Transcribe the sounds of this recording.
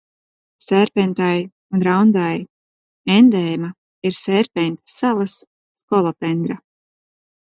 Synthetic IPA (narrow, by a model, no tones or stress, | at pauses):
sɛɾpʲɛnt̪aj | unɾawnd̪aj | end̪ɛjma | iɾsɛɾpʲɛnʲt̪salˠasː | kɔlˠɔpɛnd̪ɾa